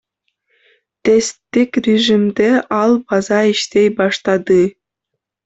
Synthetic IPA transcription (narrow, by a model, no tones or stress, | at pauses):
t̪est̪ːekʲrʲeʒimd̪eʔɑlˠbɑzɑiʃt̪ejbɑʂt̪ɑd̪ɯ